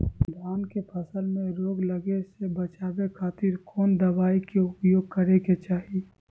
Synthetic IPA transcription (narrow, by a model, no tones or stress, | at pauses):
d̪aːnkepʰəsəlmẽɾoːɡləɡesebɐt͡ʃaːbekʰaːt̪ɪɾkɔːnd̪əbaːikeʊpjoːɡ̚kəɾeket͡ʃaːɦie